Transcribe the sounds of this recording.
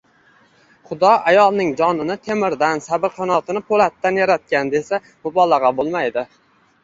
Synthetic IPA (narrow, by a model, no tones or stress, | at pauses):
χʊd̪ɒajɒlˠnɪŋd͡ʒɒnɪnɪt̪ʰe̞mɪɾd̪ansabɪɾqʰɒnɒt̪ʰɪnɪpʰolat̪ːanjaɾat̪̚kʲand̪e̞sa | mʊbɒlˠɑʁɑbolˠmajd̪ɪ